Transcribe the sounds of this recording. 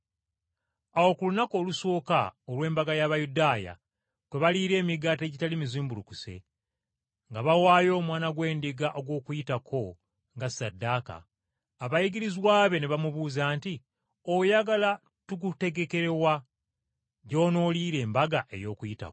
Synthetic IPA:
awo̞kulunako̞ːlusoːka̰olwe̞ːmbaɡajaβajudaːja̰ | tweβaliːɾe̞ːmiɡate̞ɟitalimiziːmbulukuse̞̰ | ŋɡaβawaːjo̞ːmwaːnaɡwe̞ːndiɡaʔoɡwo̞ːkujitakʰo̞ | ŋɡasadːaːka̰ː | βajiɡiɾizwaːβe̞ne̞βamuβuːzaːnti | ojaɡala | tukute̞ɡe̞ke̞ɾe̞wa | ɟo̞ːno̞liːɾe̞ːmbaɡaʔe̞̰jo̞ːkujita̰

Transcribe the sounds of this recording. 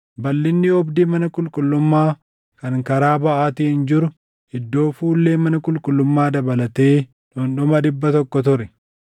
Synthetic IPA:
bɐlːɪnːɪɔbd̪imɐnɐkʼʊlkʼʊlːʊmːaː | kɐŋkɐɾaːbɐʔaːt̪iːhɪnd͡ʒɪɾʊ | ɪd̪ːo̞ːfuːlːeːmɐnɐkʼʊlkʼʊlːʊmːaːd̪ɐbɐlɐt̪e̞ː | ᶑʊnᶑʊmɐd̪ɪbːɐt̪ɔkːɔt̪ʊɾɛ

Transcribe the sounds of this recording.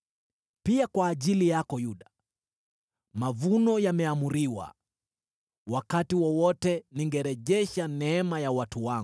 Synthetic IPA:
piakwaːʄilijakɔjuɗa | mavunɔjamɛamuɾiwa̰ | wakatiwɔwɔtɛniŋɡɛɾɛʄɛʃanɛɛmajawatuwaŋ

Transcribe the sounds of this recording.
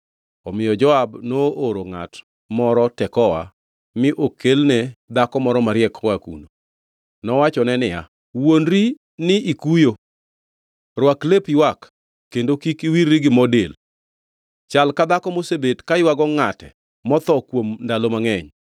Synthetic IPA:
ɔmɪjɔd͡ʒɔabnooɾoŋa̰t | mɔɾɔtɛkɔwa̰ | mɪʔokelnɛd̪akɔmɔɾɔmaɾjɛkwakṵno | nɔwat͡ʃɔnɛnɪja̰ | wondɾi | nɪʔikujo | rwaklepiwakː | endokikiwirːiɡɪmɔdel | t͡ʃalkad̪akɔmosebetkaɪwaɡɔŋatɛ̰ | mɔt̪ɔkwomndalomaŋɛɲ

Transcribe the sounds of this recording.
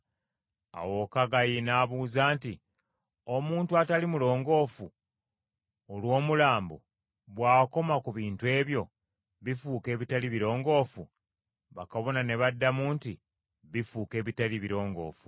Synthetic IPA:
a̰wo̞kaɡajinaβuːzaːnti | o̞muːntuatalimulo̞ːŋɡo̞ːfu | olwo̞ːmulaːmbo̰ | βwaːko̞makuβiːntwe̞ːβjo̞ | βifuːke̞ːβitaliβiɾo̞ːŋɡo̞ːfu | βakaβo̞nane̞βadːamuːnti | βifuːke̞ːβitaliβiɾo̞ːŋɡo̞̰ːfu̥

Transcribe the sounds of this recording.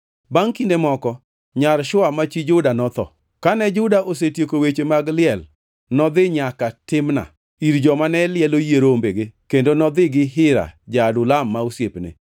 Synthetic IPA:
baŋkindemɔkɔ | ɲaɾʃʊamat͡ʃid͡ʒʊdanɔt̪ɔ̰ | kanɛd͡ʒʊdaʔos̬etjekowet͡ʃemaɡlɪɛl | nɔd̪ɪɲakatɪmna̰ | iɾd͡ʒɔmanɛlɪɛlojeɾombeɡekendonɔd̪ɪɡɪɦɪɾa̰d͡ʒadʊlamːausjepnɪ̰

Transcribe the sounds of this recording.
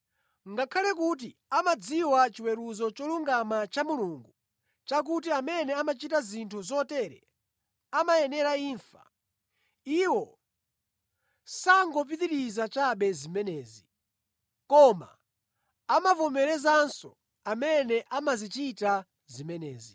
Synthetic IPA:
ŋɡakʰalɛk̬ut̬iamad͡ziwat͡ʃiwɛɾuzɔt͡ʃɔluŋɡamat͡ʃamuluŋɡu | t͡ʃak̬ut̬iamɛnɛamat͡ʃitazintʰuzɔtɛɾɛ̰ | amajɛnɛɾaiːɱfa̰ | iwɔ | saŋɡɔp̬itiɾizat͡ʃaɓɛzimɛnɛːzi | kɔma̰ː | mavɔmɛɾɛzansɔ̰ | amɛnɛʔamazit͡ʃita | zimɛnɛ̰ːzi

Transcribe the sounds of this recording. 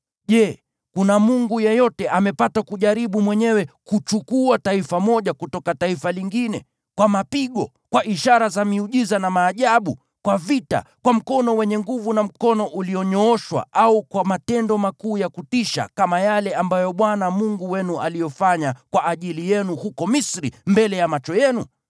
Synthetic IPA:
ʄɛ | kunamuŋɡujɛjɔtɛʔamɛpatakuʄaɾiɓumwɛɲɛwɛkut͡ʃukuataifamɔʄakutɔkataifaliŋɡinɛ̰ | kwamapiɠɔ̰ | kwaʔiʃaɾazamiuʄizanamaːʄaɓu | kwavita̰kwam̩kɔnɔwɛɲɛŋɡuvunam̩kɔnɔʔuliɔɲɔɔʃwa̰ʔaukwamatɛndɔmakuːjakutiʃa̰kamajalɛambajɔɓwanamuŋɡuwɛnualijɔfaɲakwaʔːʄilijɛnuhukɔmisɾḭmbɛlɛjamat͡ʃɔjɛnu

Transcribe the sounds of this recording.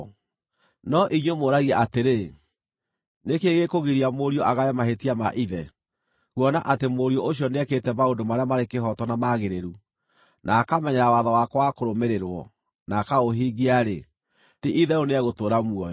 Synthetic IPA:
nɔʔiɲwemoɾaɣiɛʔateɾe | nekeɣekoɣiɾiamoɾiɔʔaɣaɛmaɦetiama̰ʔiðɛ | ɣwɔnaʔatemoɾiɔʔoɕjɔneɛketɛmaodomaɾeamaɾekeɦɔtɔnamaɣeɾeɾu | nʔaːkamɛɲɛɾawaðɔwakwakoɾomeɾeɾwɔ̰ | nakaɣoɦiɡiaɾḛ | tiʔiðɛoneɛɣotoːɾamuɔj

